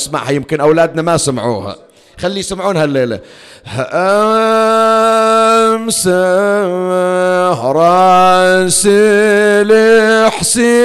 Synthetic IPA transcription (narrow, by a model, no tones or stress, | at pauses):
sma̰ʕhajɪmkɪnʔawlaːd̪namæsamʕuːhæ̰ | xalːijsamʕuːnhælːeːla̰ | hʔ | msa | hɾˤɑnsileħsi